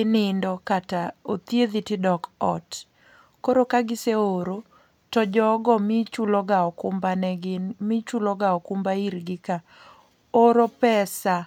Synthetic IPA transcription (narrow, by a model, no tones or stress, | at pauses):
ɪnɪndɔkataot̪jed̪itɪdɔkɔ̰t | koɾokaɡɪseoɾo | tɔd͡ʒɔɡɔmɪt͡ʃulɔɡaɔkʊmbanɛɡɪnmɪt͡ʃulɔɡaɔkʊmbaiɾɡɪka | oɾopɛsa